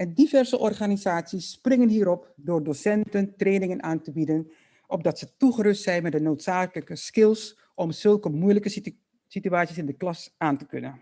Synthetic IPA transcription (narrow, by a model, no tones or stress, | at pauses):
ɛndivɛrzəʔɔrχaːnizaːtsisːprɪŋənɦiːɾɔpdoːrdosɛntəntreːnɪŋənʔaːntəbidən | ʔɔb̚dɑtsətuχərɵstsɛjnmɛt̚dənowtsaːkələkəskɪlˠs | ɔmz̥ɵlˠkəmujləkə | sityaːtsisɪndəklɑsaːntəkɵ̰nən